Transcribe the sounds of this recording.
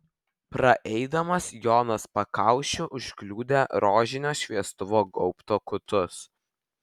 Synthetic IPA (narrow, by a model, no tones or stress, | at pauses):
pɾɐʔɛɪd̪ɐmɐsjoːnɐspɐkɐˑʊʃʲʊʔʊʃʲklʲuːd̪ʲeɾoːʒʲɪnʲoːʃʲʋʲiɛst̪ʊʋoːɡɔʊpt̪oːkʊt̪ʊs